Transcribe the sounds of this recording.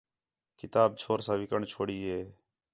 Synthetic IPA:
kɪt̪aːb̚t͡ʃʰoːɾsãːʋɪkəɳt͡ʃʰoːɽiːɦeː

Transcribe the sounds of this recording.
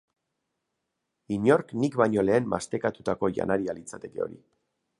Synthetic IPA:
iɲo̞ɾknikβajɲo̞le̞ːmma̰st̪e̞kat̪ut̪ako̞ʝa̰naɾialit͡sat̪e̞ke̞o̞̰ɾḭ

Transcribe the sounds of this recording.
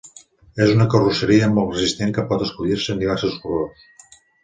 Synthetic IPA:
ezunəkərusəɾiəmɔlt̪rəzist̪eŋkəpɔt̪əskuʎiɾsənd̪iβ̞ɛɾsuskurors

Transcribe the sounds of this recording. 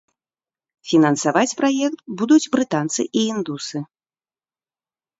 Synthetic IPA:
fʲinɐnsavat͡sʲpɾajɛkt̪bud̪ud͡zt͡sʲbɾɨt̪ant̪sɨʔiind̪usɨ

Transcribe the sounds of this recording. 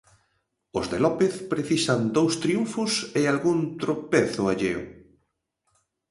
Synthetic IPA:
ʊzðelɔpeθpɾeθisand̪owst̪ɾiuɱfʊsealɣunt̪ɾopeθʊaʎew̰

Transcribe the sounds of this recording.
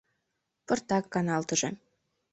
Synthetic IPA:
pɤ̆rt̪ɑkːɑnɑlˠt̪ɤ̆ʒĕ

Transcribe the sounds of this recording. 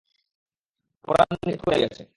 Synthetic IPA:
poɾannik̪ɦoeɡɛt͡ɕʰe

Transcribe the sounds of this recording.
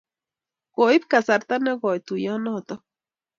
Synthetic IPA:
ɡoip̚kasaɾt̪aneɡoit̪ujonot̪o

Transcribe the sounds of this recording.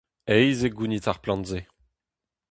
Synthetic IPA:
ɛjzeɡunitaʁplɑ̃ntze

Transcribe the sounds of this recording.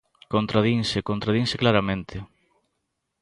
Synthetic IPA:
kont̪ɾað̞iŋsekont̪ɾaðiŋsɪklaɾamẽnt̪ʰɪ

